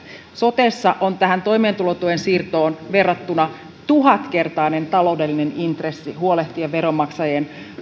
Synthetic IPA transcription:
so̞t̪esːɑʔont̪æɦænt̪o̞ime̞ːnt̪ulot̪uensiːrt̪o̞ːnʋe̞rːɑt̪ːunɑ | t̪uɦɑt̪ke̞rt̪ɑine̞nt̪ɑlo̞wde̞lːine̞nint̪resːiɦuole̞ht̪ieʋʋe̞ɾomɑksɑjen

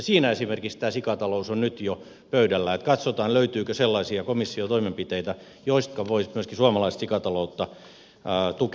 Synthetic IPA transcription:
ɑsiːnæesimerkikst̪æːsikɑt̪ɑlousonnyt̪jo | pøydælːæet̪kɑt̪sot̪ɑːnløyt̪yːkøselːɑisiɑkomisːiot̪oimempit̪eit̪æ | joist̪̚kɑʋoismyøskisuɑmɑlɑist̪sikɑt̪ɑlout̪ːɑ | t̪uk

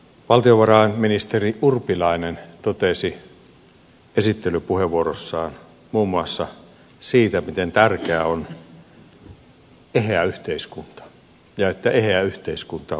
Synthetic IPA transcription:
ʋɑlt̪ioʋɑrɑenminist̪eriʔurpilɑinent̪ot̪esi | esit̪ːelypuheʋuorosːɑːn | muːmːuɑsːɑ | siːt̪æmit̪ent̪ærkeæon | eheæyht̪eiskunt̪ɑ̥ | jɑet̪ːæeheæyht̪eiskunt̪ɑ

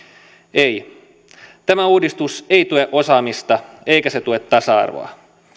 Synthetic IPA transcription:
ej | t̪æmæuːdist̪useit̪ueʔo̞sɑːmist̪ɑ | eikæset̪uet̪ːɑsɑɑ̰rʋo̰ɑ̰

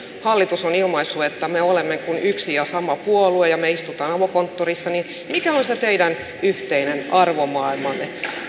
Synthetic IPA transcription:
hɑlːit̪usonilmɑisːuet̪ːæmeolemːekunyksijɑsɑmɑpuoluejɑmeist̪ut̪ɑːnɑʋokont̪ːorisːɑnin | mikæonset̪eidæn | yht̪einenɑrʋomɑilmɑnːe

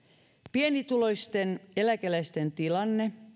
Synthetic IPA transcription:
pienit̪ulojst̪enelækælæst̪ent̪ilɑnːe̞

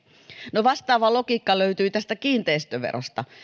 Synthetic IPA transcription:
noʋɑst̪ɑːʋɑlokiːkːɑløyt̪yːt̪æst̪ækiːnt̪eist̪øʋḛro̰st̪ɑ

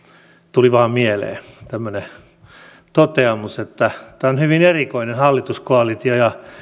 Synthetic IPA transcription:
t̪uliʋɑːmmielḛːt̪æmːøne | t̪ot̪eɑmuset̪ːæt̪æːonhyʋinerikoinenhɑlːit̪uskoɑlit̪ijojɑ

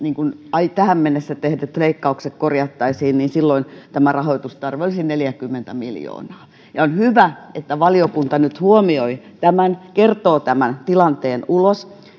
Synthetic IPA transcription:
niːŋkunɑit̪æhæmmenːesːæt̪ehdet̪leikːɑuksekkorjɑt̪ːɑisiːnniːnsilːoint̪æmærɑhoit̪ust̪ɑrʋiolisinneljækymːent̪æmiljo̰ːnɑː | jɑonhyʋæet̪ːæʋɑliokunt̪ɑnyt̪huomioit̪æmænkert̪oːt̪æmænt̪ilɑnt̪eːnulos

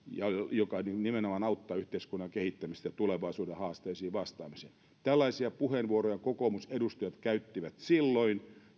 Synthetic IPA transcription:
jɑjokɑninimenomɑnɑut̪ːɑːyht̪eiskunːɑŋkehit̪ːæmist̪jɑt̪uleʋɑisuːdehɑːst̪eisiːʋɑst̪ɑːmisḛːn | t̪ælːɑisiɑpuhenʋuorojɑkokomusedust̪ɑjɑt̪kæyt̪ːiʋæt̪silːoin

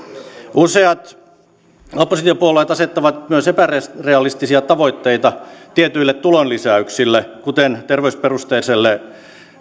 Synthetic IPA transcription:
useɑt̪ | opːosit̪iopuoleːt̪ɑset̪ːɑʋɑt̪myøsepærereɑlist̪isiɑt̪ɑʋoit̪ːeit̪ɑt̪iet̪yilːet̪t̪ulonlisæyksilːekut̪ent̪erʋeysperust̪eiselːe

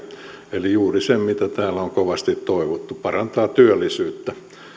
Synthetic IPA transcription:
elijuːrisemmit̪æt̪æːlæoŋkoʋɑst̪it̪toiʋot̪ːupɑrɑnt̪ɑːt̪yølːisyːt̪ːæ

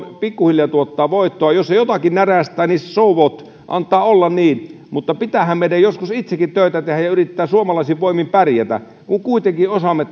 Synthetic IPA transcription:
pikːuhiljɑt̪uot̪ːɑːʋoit̪ːoɑjosːejot̪ɑkinnæræst̪ˑæːniːssouʋot̪ | ʔɑ̰nt̪ːˑɑːolːɑnniːn | mut̪ːɑpit̪æhæmmeinæjjoskusit̪sekːit̪t̪øˑit̪æt̪ehæjɑyrit̪ːæːsuomɑlɑisiʋʋoimimpærjæt̪æ̰ | kuŋkuit̪eŋkiosɑmːet̪ː

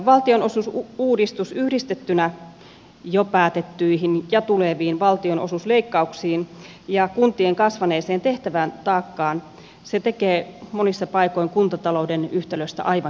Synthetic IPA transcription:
ʋɑlt̪ionosusuːdist̪usyhdist̪et̪ːynæ | jopæːt̪et̪ːyiɦinjɑt̪uleʋiːnʋɑlt̪ionosusleikːɑuksiːn | jɑkunt̪ieŋkɑsʋɑneːseːnt̪eht̪æʋæːnt̪ɑːkːɑːn | set̪ekeːmonisːɑpɑikoiŋkunt̪ɑt̪ɑloudenyht̪eløst̪æ̰ʔɑiʋɑ

